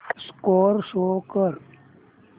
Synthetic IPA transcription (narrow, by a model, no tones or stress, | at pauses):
skoːɾʃoːkəɾ